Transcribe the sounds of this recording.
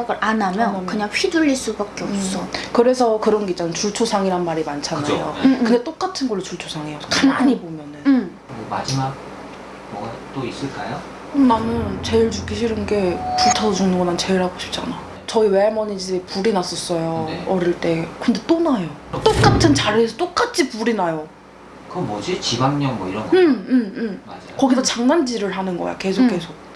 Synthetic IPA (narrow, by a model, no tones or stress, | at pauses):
aɡɯɾʔanamjʌnkɯɲaŋɸʰiduʎːiɭs͈ubak͈eʌps͈ʌkɯɾe̞sʰʌkɯɾʌnɡe̞it͡ɕ͈anɯnt͡ɕuɭt͡ɕʰosʰaŋiɾanmaɾimant͡ɕʰanaajokkɯnde̞t͈ok͈atʰɯnɡʌɭːot͡ɕuɭt͡ɕʰosʰaŋejokanaɲibomjʌnɯn | oma̰d͡ʑimak | mʌɡa | t͈ois͈ɯɭk͈ajo | nanɯnt͡ɕe̞iɭt͡ɕukʰiɕʰiɾɯnɡe̞puɭtʰadod͡ʑuŋnɯnɡʌnant͡ɕe̞iɭhaɡoɕʰi̥p̚t͡ɕ͈anajo | t͡ɕʌiweaɭmʌɲid͡ʑipuɾinas͈ʌs͈ʌjoʌɾiɭt͈e̞kɯnde̞t͈onajot͈ok͈atʰɯnt͡ɕaɾesʰʌt͈ok͈at͡ɕʰipuɾinajo | kɯʌmʌd͡ʑit͡ɕibaŋɲʌŋmwʌiɾʌnɡɯmɯmɯmkʌɡisʰʌt͡ɕaŋnand͡ʑiɾɯɭɦanɯnɡʌ̰ja̰ke̞sʰokkʰe̞sʰok̚